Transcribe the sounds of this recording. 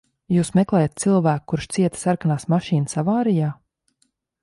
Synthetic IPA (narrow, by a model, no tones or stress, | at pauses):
juːsmɛklˠɛːjat̪̚silˠvæːk̚kːuɾʃt̪siɛt̪saɾkanaːsmaʃiːnəsavaːɾijaː